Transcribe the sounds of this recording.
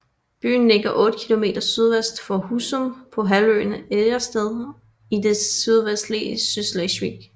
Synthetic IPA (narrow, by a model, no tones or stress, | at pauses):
b̥y̰ːn̩ːeɡ̥ɐʔɔ̽ːd̥əkʰilo̝me̝̰ːd̥ɐsyð̞ˠʋesd̥fɒhusompʰɒ̽ɦælø̰neɐsd̥eð̞ˠ | id̥e̝syð̞ˠʋesd̥lḭsyslɛɕʋḭɡ̥